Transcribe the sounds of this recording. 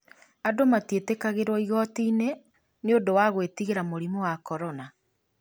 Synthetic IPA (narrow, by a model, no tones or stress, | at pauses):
adomatietekaɣeɾwɔiɣɔtiːne | neodowaɣwetiɣeɾamoɾimowakɔɾɔna